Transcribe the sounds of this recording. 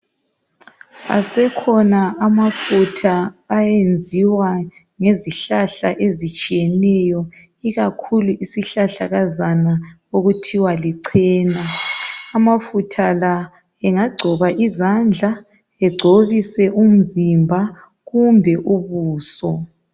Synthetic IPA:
a̰sɛkʰɔnaamafutʰaːjend͡zʱiwa | ŋeziɬaɬaʔezit͡ʃʼijɛnɛjɔ | iɣakʰuluʔisiɬaɬaɣazana | oɣutʰiwaliǀʰɛːnaː | mafutʰala | ɛŋaɡ͡ǀʱɔβaʔizand͡ɮʱa | ɛɡ͡ǀʱoβisɛʔum̩zimbʱa | ɣumbʱɛʔuβuːsɔ

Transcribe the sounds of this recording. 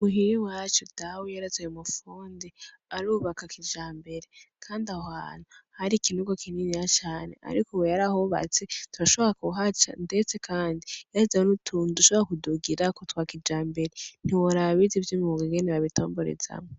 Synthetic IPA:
muɦiɾiwat͡ʃudawejaɾazejumufuːndi | aɾuːβakakid͡ʒaːmbe̞ɾekʰaːndiawa̰ːn̥uhaɾikinuɡokʰininijat͡ʃaːne̞̰ʔa̰ɾikowejaɾaɦoβa̰t͡se̞tuɾaʃo̞βoɾakuɦat͡ʃa̰nde̞t͡se̞kʰaːndijazanutʰunduʃoβoɾakuduɡiɾakotwaːkid͡ʒaːmbe̞ɾen̥iwoɾaβizivjumuɡiɡeniβaβito̞̰ːmbo̞ɾḛza̰mo

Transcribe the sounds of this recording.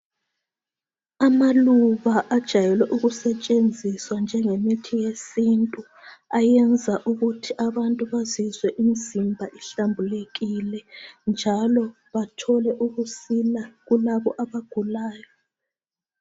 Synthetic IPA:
amaluβaʔad̥ʒ̥ʱajɛlwɛʔuɣusɛt͡ʃʼend͡zʱiswand͡ʒʱɛŋemitʰijesintʼu | ajɛnd͡zʱaʔuɣutʰiʔaβantʼuβazizwɛʔimizimbʱaʔiɬambʱuleɣilɛnd͡ʒʱalɔ | βatʰɔlɛʔuɣusilaɣulaβɔʔaβaɡ̥ʱulaːjɔ

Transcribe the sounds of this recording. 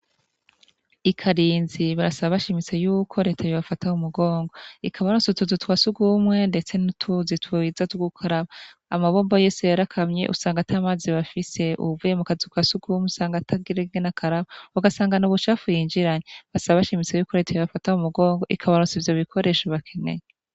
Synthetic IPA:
ikʰaɾiːnziβaɾasaβaβaʃimit͡sejuːkʰo̞ɾe̞ːtʰajoβafataumuɡo̞ːŋɡo̞ikʰaβaɾusutuzutwasuɡumŋe̞nde̞t͡se̞nutʰuzitʰwuizatuɡukʰaɾaβaːmaβo̞ːmboje̞ːsejaɾakʰamɲe̞̰ʔusaːŋɡatʰaːmaːziβafise̞ṵvujemukazikwasuɡuːmesaːŋɡatʰaɡiɾeɡenakʰaɾaβauɡasaːŋɡanuβuʃafujiːɲd͡ʒiɾaɲeβasaβaβaʃimit͡sejuːko̞ɾe̞ːtʰajoβafataumuɡo̞ːŋɡo̞ʔikʰaβaɾut͡sivjo̞βikʰo̞ɾe̞ːʃaβakʰene̞̰ɲe

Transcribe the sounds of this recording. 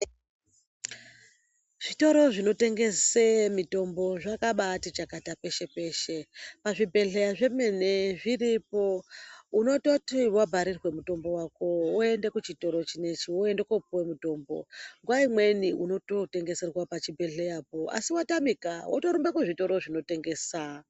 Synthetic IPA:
ʐ̥ito̞ɾo̞ʐino̞te̞ŋɡe̞semito̞mbo̞ʐakaɓatit͡ʃakatape̞ʃe̞pe̞ːʃe̞paʐibʱe̞ɮe̞jaʐe̞mene̞ʐiripouno̞totiwabʱaɾirwe̞muto̞mbo̞wako̞oe̞ndekut͡ʃito̞ɾo̞t͡ʃine̞t͡ʃioendekopuwemuto̞ːmbo̰ŋɡwaimwe̞niʔuno̞to̞te̞ŋɡe̞se̞rwapat͡ʃibʱe̞ɮe̞japo̞a̰siwatamikawʔoto̞ɾumbakuʐito̞ɾo̞ʐino̞te̞ŋɡe̞ːsa

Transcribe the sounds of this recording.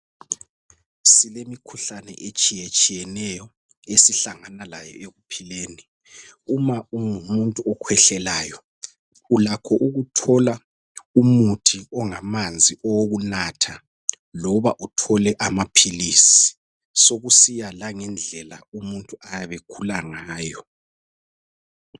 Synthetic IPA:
silemikʰuɬanɛ̰ʔet͡ʃʼijet͡ʃʼijɛnɛjɔ | esiɬaŋanalajɔ̰eɣupʰileːni | umauumuntʼuɔkʰwɛɬɛlaːjɔ | ulakʰɔʔuɣutʰɔla | umutʰiɔŋamand͡zʱiʔɔwoɣunatʰa | lɔβaʔutʰɔlɛʔamapʰiliːsi | soɣusijalaŋɛnd͡ɮʱɛlaumuntʼuajaβekʰulaŋaːjɔ

